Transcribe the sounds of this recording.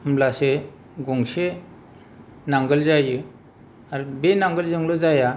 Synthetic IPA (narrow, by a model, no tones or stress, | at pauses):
mlase | ɡɔŋse | naŋɡəlzajɯ | aɾbenaŋɡəlzɯŋlɔzaja